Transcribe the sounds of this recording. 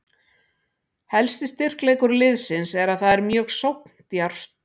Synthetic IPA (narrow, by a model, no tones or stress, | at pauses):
hɛlst̪ɪst̪ɪr̥klejkʏɾlɪðsɪnsɛɾaðθaðɛɾmjœːɣsowpn̥t̪jaɾ̥st̪